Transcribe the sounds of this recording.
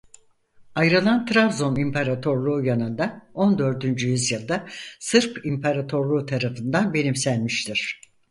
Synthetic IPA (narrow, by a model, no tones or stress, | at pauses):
ajɾɯlˠant̪ʰɾavzo̞nimpʰaɾat̪ʰo̞ɾlˠuːjanɯnd̪ao̞nd̪ø̞ɾd̪ynd͡ʒyjyzjɯlˠd̪asɯɾpʰimpʰaɾat̪ʰo̞ɾlˠuːt̪ʰaɾafɯnd̪anbe̞nimsænmiʃt̪ʰiɾ̥